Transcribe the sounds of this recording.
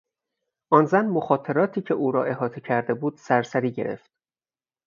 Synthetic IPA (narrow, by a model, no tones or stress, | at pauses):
ʔɒːnzænmoxɒːt̪ʰe̞ɾɒːt̪ʰiːcʰeʔuːɾɒ̰ːʔe̞ɦɒːt̪ʰecʰæɾd̪e̞buːd̪̥sæɾsæɾiːɟe̞ɾe̞̰ft̪